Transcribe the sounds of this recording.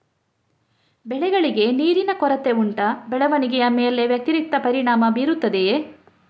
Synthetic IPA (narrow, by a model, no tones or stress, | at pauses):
bɛɭɛɡɐɭiɡe̞niːɾinɐkɔɾɐt̪e̞uɳʈɐbɛɭɐʋɐniɡɛjɐmeːle̞ʋjɐk̚t̪iɾik̚t̪ːɐpɐɾiɳaːmɐbiːɾut̪ːɐd̪e